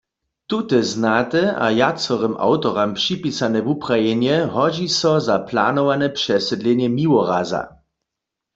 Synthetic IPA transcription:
t̪ut̪ɛznat̪ɛa̰jat͡sɔʁɛma̰wt̪ɔʁampʂipisanɛvuprajɛnjɛɦɔd͡ʑisɔzapla̰nɔvanɛpʂɛsɛdlɛnjɛmiwɔʁaza̰

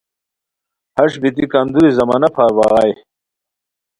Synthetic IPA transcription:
hɐʂbit̪ikɐnd̪uɾizɐmaːnɐpʰaːɾwaːʁɑj

